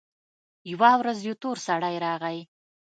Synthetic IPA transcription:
jwɑwɾazjot̪oɾsaɽajɾɑɣaj

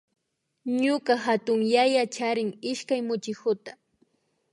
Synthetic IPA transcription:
ɲʊkaɦat̪ʊŋjajat͡ʃaɾɪŋɪʃkajmʊt͡ʃɪkʊt̪ḁ

